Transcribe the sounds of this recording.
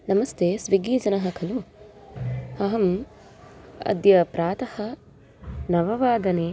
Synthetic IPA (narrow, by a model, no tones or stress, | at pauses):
nɐmɐst̪ʰeːsʋiɡiːd͡ʒɐnɐɦɐkʰɐlu | ɐɦɐm | ɐ̰d̪jɐpɾaːt̪ɐhɐ̆ | nɐʋɐʋaːd̪ɐneː